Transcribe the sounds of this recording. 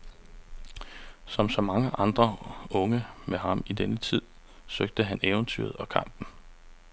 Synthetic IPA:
sɒ̽msɒ̽mɑ̈ŋəʔɑ̈nd̥ʁɐɔ̽ŋəmeɦɑ̈midenət͡sʰið̰ˠ | søɡ̥̚d̥əɦæneːʊnt͡sʰy̰ːɐð̞̩ˠɒ̽kʰɑ̈m̰b̥n̩

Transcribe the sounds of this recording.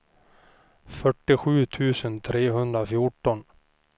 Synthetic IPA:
fœʈːɪɧʉ̟ːt̪ʰʉ̟ːsənt̪ʰɾeːɦɵnd̪ɾafjʊʈːɔn

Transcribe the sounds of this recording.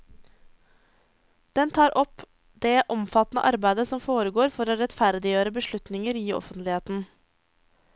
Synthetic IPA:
d̪̥ɛnt̪ʰɑːɾʔɔp | d̪̥eːʔɔmfɑt̪nə̰ʔɑɾbæɪd̪əsɔmfoːɾəɡoːɾfɔɾoːɾɛt̪fæɾd̪ɪjøːɾəbəʃɭʉt̪nɪŋəɾiːɔ̰fənt̪lɪheːt̪n̩

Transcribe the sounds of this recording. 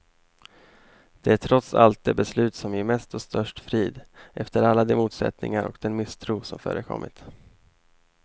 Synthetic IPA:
d̪̥ɛæʈʰɾɔt̪sa̰lt̪̚d̪eːbɛslʉ̟ːt̪sɔmjɪmɛst̪ɔst̪œʂʈfɾiːd̪ʔɛft̪əɾalːad̪ɛmuːt̪sɛ̰t̪nɪ̰ŋaɾʔɔ̰kd̪ɛnmɪst̪ʰɾuːsɔmfœ̰ːɾʔəkʰɔ̰mːɪ̰t̪

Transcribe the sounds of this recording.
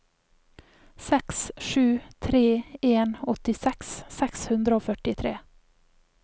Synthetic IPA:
sɛksʃʉːt̪ʰɾeːeːnɔt̪ɪsɛksːɛkshʉnd̪ɾəoːfœʈɪt̪ʰɾḛː

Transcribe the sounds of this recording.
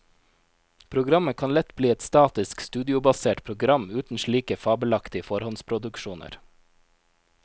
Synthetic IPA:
pʰɾʊɡɾɑməkʰɑnlɛt̪bliːɛt̪st̪ɑːt̪ɪskst̪ʉːd̪ɪʊbɑseːʈpʰɾʊɡɾɑmʉːt̪n̩ʃɭiːkəfɑːbəlɑkt̪ɪəfɔɾhɔnspʰɾʊd̪ʉkʃuːnʔə̰ɾ

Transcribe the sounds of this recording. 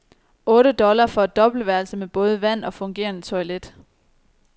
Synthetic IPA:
ɔ̽ːɾ̥əd̥ɒ̽lɐfɒ̽æd̥̚ɒ̽b̥l̩ʋæɐlsəmeb̥ɔ̽ːð̞ˠəʋæn̰ɒ̽fɔ̽ŋɡ̥e̝̰ːɐnət͡sʰɒ̽ɪled̥

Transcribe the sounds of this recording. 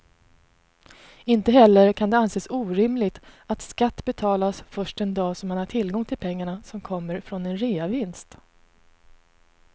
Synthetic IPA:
ɪnt̪əɦɛlːəɾkʰand̪ɛanseːsuːɾɪmlɪɡ̚t̪ | at̪skat̪ːbɛt̪ʰɑːlasfœʂʈɛnd̪ɑːsɔmhanhaʈʰɪlɡɔŋt̪ʰɪlpʰɛŋːaɳasɔmkʰɔmːəɾfɾɔnɛnɾeːavɪnst̪

